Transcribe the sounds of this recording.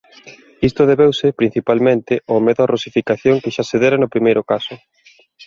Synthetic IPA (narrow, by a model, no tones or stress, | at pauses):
ist̪oðeβewsɪpɾin̟θipalmẽnt̪ɪɔmeðʊarosifikaθjoŋkɪʃaseðeɾanopɾimejɾʊkasʊ